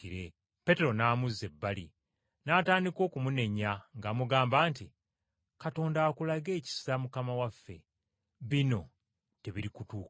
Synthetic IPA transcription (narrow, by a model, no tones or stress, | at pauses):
iɾe̞ | pe̞te̞ɾo̞naːmuzːe̞bːalḭ | naːtaːndiko̞ːkumune̞ɲaŋɡaːmuɡaːmbaːnti | kato̞ːndaːkulaɡe̞ːci̥samukamawafːe̞̰ | βino̞ | te̞βiɾikutuːk